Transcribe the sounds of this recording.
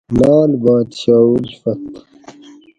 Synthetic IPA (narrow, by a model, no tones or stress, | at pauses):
laːlbaːt̪ɕaːud͡ʑfɐt̪